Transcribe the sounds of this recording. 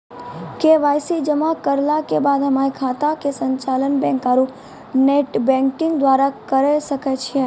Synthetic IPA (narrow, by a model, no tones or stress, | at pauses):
keʋajsid͡ʒəmakəɾlakebad̪ɦəmaekʰat̪akesə̃ɲt͡ʃalənbɛ̃ŋkaɾũ | neʈbɛ̃ŋkɪ̃ŋɡd̪ʋaɾakəɾeʃəket͡ʃʰie